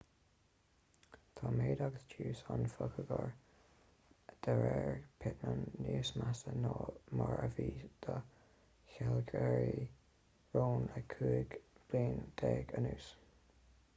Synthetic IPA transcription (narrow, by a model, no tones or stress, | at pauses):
t̪ʰɑːmeːd̪aɡəsd͡ʒʰuːsanfəkʰəɡəɹ | d̪̥ɛɹɛɹpʰɪtnənːuːsmasənoːmaɹəviːd̪̥ə | çɛlɡʰɛɹi | ɹoːnəkʰuːɡb̥liːnd̪̥ɛːɡənuːs